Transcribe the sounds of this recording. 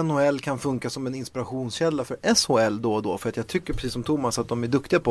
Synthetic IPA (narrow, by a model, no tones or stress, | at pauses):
ɛnʊɛlːkʰanfɵŋkasɔmɛnɪnspɪɾaɧuːnsɕɛlːafœɾɛshʊɛlːd̪ɔd̪ɔfœɾat̪jaːɡ̚t̪ʰʏkːəpɾɛsiːsːɔmt̪ʰʊmːasat̪̚d̪ɔmæɖɵkt̪ɪɡapʰɔ